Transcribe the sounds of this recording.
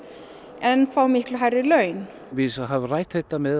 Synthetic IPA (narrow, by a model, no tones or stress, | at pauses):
ɛnfawmɪhklʏɦajɾɪlœːɥn | vɪðɦavrajht̪θɛht̪amɛð